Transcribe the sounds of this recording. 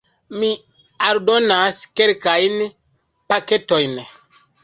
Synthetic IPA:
mi | aldo̞naske̞lkajn | pake̞to̞jn

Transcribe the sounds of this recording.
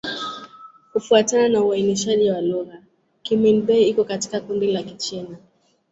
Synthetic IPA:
kufuatananauainiʃaʄiwaluɣa | kiminɓɛiikɔkati̥kakundilakit͡ʃina

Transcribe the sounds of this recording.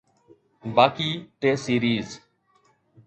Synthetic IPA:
baːkiːʈeːsiːɾiːz

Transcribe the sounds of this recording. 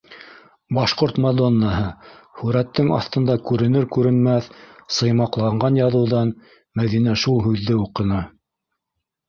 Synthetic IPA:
bɑʃqoɾt̪mɐd̪onːɑɦɤhʉɾæt̪ːɘŋɑ̰θt̪ɤ̆nd̪ɑkʉɾɘ̆nɘɾkʉɾɘ̆nmæθsɤ̆jmɑqlˠɑɴɢɑnjɑðɤ̆wðɑn | mæðinæʃulˠɦʉðːɘuqɤ̆nɑ

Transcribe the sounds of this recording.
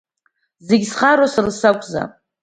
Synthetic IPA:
zeɡʲsχaɾosarsakʷʰʼza̰

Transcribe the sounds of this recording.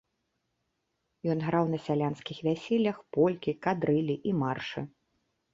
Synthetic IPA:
jɔnɣɾawnɐsʲalʲanskʲixvʲæsʲɛlʲːɐxpɔlʲkʲikad̪ɾɨlʲiʔimarʂɨ

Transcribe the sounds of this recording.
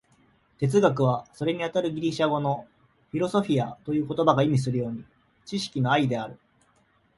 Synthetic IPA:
t̪e̞t͡sɨɡak̬ɯ̟β̞aso̞ɾe̞ɲ̟iat̪aɾɯ̟ɡʲiɾʲiɕaɡo̞no̞ | ɸʲiɾo̞so̞ɸʲiat̪o̞jɯ̟ːko̞t̪o̞baɡaimʲis̬ɨɾɯ̟jo̞ːɲ̟i | t͡ɕiɕi̥kʲino̞aid̪e̞aɾɯ̟

